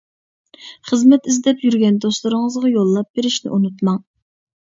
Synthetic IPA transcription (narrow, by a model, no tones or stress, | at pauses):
χəzmɛt̪izd̪ɛpjyɾɡʲɛnd̪oslˠɨɾɨŋəzʁɑjolˠːɑp̚b̥eɾɪʃnɪ̰ʔunut̪mɑŋ